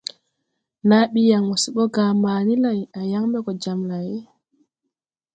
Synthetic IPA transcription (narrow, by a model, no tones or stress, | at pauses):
naɓijaŋwusiɓɔɡaːmaːnilajʔajaŋbɛkɔd͡ʒamlajɛ